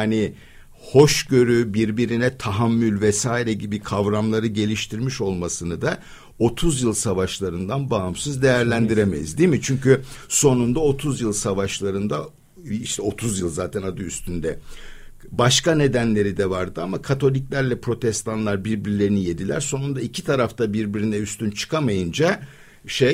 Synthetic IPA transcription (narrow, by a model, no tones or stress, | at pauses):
ani | ho̞ʃɟø̞ɾybiɾbiɾinɛt̪ʰaɦamːylʲvɛsaːiɾɛɟibikʰavɾamlˠaɾɯɟe̞lʲiʃt̪ʰiɾmiʃo̞lˠmasɯnɯd̪a | o̞t̪ʰuzjɯlˠsavaʃlˠaɾɯnd̪anbaɦɯmsɯzd̪e̞jæɾlʲænd̪iɾemejḭzd̪imit͡ʃʰyɲcyso̞nund̪ao̞t̪ʰuzjɯlˠsavaʃlˠaɾɯnd̪a | iʃt̪ʰɛo̞t̪ʰuzjɯlˠzaːt̪ʰɛnad̪ɯyst̪ʰynd̪ɛ | baʃkane̞d̪ænlʲe̞ɾid̪ɛvaɾd̪ɯamakʰat̪ʰo̞lʲiclʲæɾlʲɛpɾo̞t̪ʰɛst̪ʰanlˠaɾbiɾbiɾilʲe̞ɾinije̞d̪ilʲæ̰ɾso̞nund̪aicʰit̪ʰaɾaft̪ʰabiɾbiɾinɛyst̪ʰynt͡ʃʰɯ̥kʰamajɯnd͡ʒa | ʃe